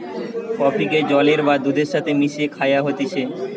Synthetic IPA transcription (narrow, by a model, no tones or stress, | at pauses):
kɔpʰiked͡ʑɔleɾbad̪ud̪eɾʃat̪ʰemiʃekʰajaɦot̪it͡ɕʰe